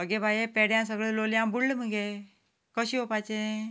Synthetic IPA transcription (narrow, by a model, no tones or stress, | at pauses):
əɡebʱajepeɽjãːs̬əɡɭeloːljãbulːmuɡe | kəʃiopat͡ʃẽ